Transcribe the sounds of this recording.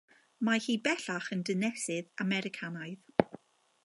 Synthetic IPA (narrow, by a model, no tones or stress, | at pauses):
mahiːbɛɬaχəndənɛsɪðamɛɾɪkʰanaɨð